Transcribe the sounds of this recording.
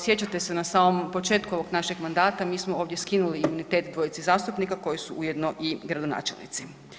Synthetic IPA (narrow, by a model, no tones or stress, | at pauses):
sje̞t͡ɕat̪e̞senasaːmo̞mpo̞t͡ʃe̞ːt̪kuo̞ʋo̞ɡnaʃeɡmand̪aːt̪amiːsmoo̞ːʋd̪je̞skinuliːmunit̪eːt̪d̪ʋo̞jit̪sizaːst̪upnikako̞jisuʔujed̪no̞ʔiɡɾad̪o̞na̰ːt͡ʃelnḭt̪si